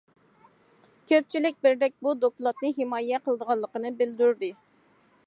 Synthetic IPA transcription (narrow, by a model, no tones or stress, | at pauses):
kʲʰøp̚t͡ʃʰilɪk̚ʲbɪɾd̪ɛk̚ʲbud̪oklˠɑt̪nɨɦɪmɑːjɛqəlˠəd̪əʁɑlˠːəqənɨbɪld̪yɾd̪ɨ